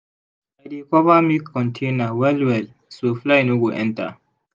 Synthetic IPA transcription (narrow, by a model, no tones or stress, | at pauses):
bajdekɔvamiɔ̃ntʰẽnawɛlwɛl | soflajnoɡoʔɛ̃nta̰